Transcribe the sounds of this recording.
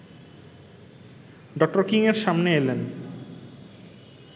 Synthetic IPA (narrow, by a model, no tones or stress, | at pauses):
ɖɔk̚ʈoɾkiŋeɾʃamneelen